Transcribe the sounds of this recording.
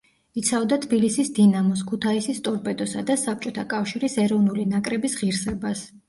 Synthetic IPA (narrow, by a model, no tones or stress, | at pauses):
it̪sʰavd̪at̪ʰbilisisd̪inamɔskʰut̪ʰaisist̪ʼɔɾpʼɛd̪ɔsad̪asap̚ʰt͡ʃʼɔt̪ʰakʼafʃiɾisɛɾɔvnulinakʼɾɛbisʁiɾsɛbas